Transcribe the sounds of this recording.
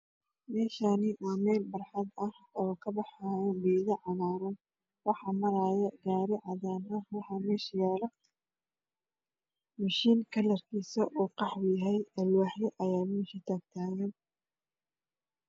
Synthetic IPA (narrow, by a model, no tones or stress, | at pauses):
mɛːʃaːnɪʔaːmɛːlbɐrħɑd̪ɐh | ɔːkʰɐbɑħaːjɐbiːɣɐʕɑmaːɾɐn | wɑħɑmɐɾaːjɐɡaːɾɪʕɑðaːnɐwɑħɑːmɛːʃjɛɾɐ | mɐʃiːŋkʰɐlɐrkʰiːsɐʔuːqɑħjɐɦɛjɛlwaħjɐʔɐjaːmɛːʃɪt̪ʰaːkt̪ʰaːjɛn